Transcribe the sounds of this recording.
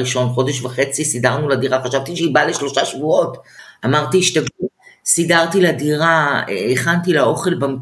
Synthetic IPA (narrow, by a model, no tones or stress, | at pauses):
iʃo̞nχo̞deʃvaχe̞t͡sisidaʁnuladiʁaχaʃavt̪iʃeibaleʃlo̞ʃaʃvuo̞tamaʁt̪iːʃtavusidaʁtiladiʁaeeχant̪ilao̞χe̞lbam